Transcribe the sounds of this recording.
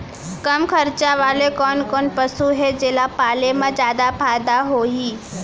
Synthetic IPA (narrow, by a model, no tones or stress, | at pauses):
kəmkʰəɾt͡ʃaʋaːlekɔːnkɔːnpəsuɦed͡ʒeːlapaːlemãd͡ʒjaːd̪apʰaːd̪aɦoːɦiː